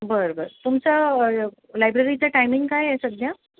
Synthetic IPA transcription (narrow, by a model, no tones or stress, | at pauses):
bəɾbəɾt̪umt͡sa | lajbɾeɾit͡saʈajmiŋɡkajɛsəɡd̪ʱja